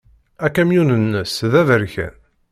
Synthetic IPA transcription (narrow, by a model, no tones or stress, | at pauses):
ækːæmjunənːəsðævəɾçæ̰n